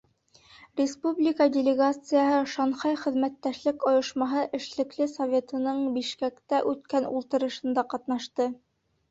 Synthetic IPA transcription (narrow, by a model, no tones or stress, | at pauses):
rʲɪspublʲikɑdʲɪlʲɪɡat̪sɨjɑɦɤʃɑɴχɑjχɘ̆ðmæt̪ːæʃlɘkŏjɤ̆ʃmɑɦɤʔɘ̆ʃlɘ̆klɘsovʲe̞t̪ɤ̆nɤɴbiʃkækt̪æʔʉt̪kænṵlˠt̪ɤ̆ɾɤ̆ʃɤ̆nd̪ɑqɑt̪nɑʃt̪ɤ